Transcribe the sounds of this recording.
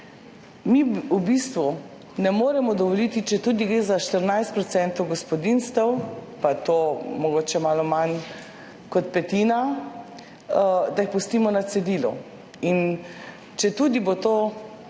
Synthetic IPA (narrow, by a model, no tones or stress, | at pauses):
miubist̪ʋu | nɛmoːɾɛmɔd̪ɔʋɔlit̪it͡ʃɛt̪ud̪iɡɾeːzaʃt̪əɾnajst̪̚pɾɔt̪sɛnt̪ɔwɡɔspɔd̪inst̪ɛwpat̪oːmɔɡoːt͡ʃɛmaːlɔman | kɔt̪pɛt̪iːna | d̪aixpust̪iːmɔnat̪sɛd̪iːlɔ̰ | in | t͡ʃɛt̪uːd̪ibot̪oː